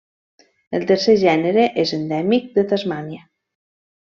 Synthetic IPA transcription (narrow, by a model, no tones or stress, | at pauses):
əlˠt̪əɾseʒɛnəɾeʔezənd̪ɛmik̚d̪ət̪azmanjə